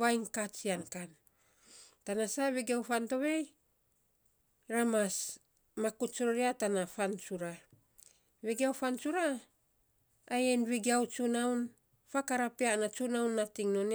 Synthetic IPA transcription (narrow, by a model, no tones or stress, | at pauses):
βajnkat͡ʃiankan | tanasaβeɡiawfanto̞βe̞j | ɾamas | makut͡ʃoɾoɾiatanafant͡ʃuɾa | βeɡiawfant͡ʃuɾa | jenβiɡiawt͡ʃunawn | fakaɾapianat͡ʃunawnːatiŋno̞n